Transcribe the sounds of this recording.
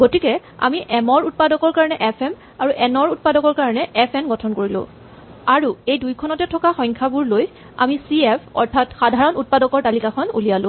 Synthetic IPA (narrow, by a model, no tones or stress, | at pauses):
ɡotikɛ | a̰miʔɛmɔɹut̚padɔkɔɹkaɹɔnɛʔɛpʰɛm | aɹuʔɛnɔɹut̚padɔkɔɹkaɹɔnɛʔɛpʰɛmɡɔtʰɔnkoɹilʊ̰̃ | aɹuejdujkʰɔnɔtɛtʰɔkaxɔjŋkʰabuɹloj | a̰misiɛpʰɔ̰ɹtʰatxadʱaɹɔnut̚padɔkɔɹtalikakʰɔnṵlijalʊ̃